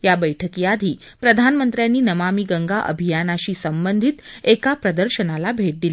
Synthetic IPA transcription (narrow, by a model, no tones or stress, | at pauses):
jabəjʈʰəkijad̪ʱiː | pɾəd̪ʱanmənt̪ɾjanːiːnəmamiːɡəŋɡaʔə̰bʱijanaɕiːsəmbənd̪ʱit̪ekapɾəd̪əɾɕənalabʱeʈ̚d̪ili